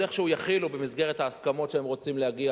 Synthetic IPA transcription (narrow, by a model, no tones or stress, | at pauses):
eχʃehujaχilubemizɡeʁet̪haːskamo̞tʃeemʁo̞t͡simleaɡia